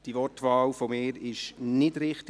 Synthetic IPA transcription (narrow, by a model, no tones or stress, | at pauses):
d̥iʋɔtʋɑːlfomɪːɾɪʃnɪdɾɪχt